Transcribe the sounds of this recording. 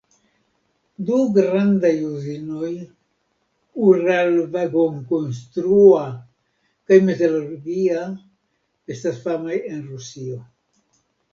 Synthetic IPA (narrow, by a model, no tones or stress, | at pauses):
d̪uɡɾand̪ajuzinoj | uɾalvaɡoŋkonst̪ɾua | kajmet̪eloɾɡia | est̪asfamajenɾusio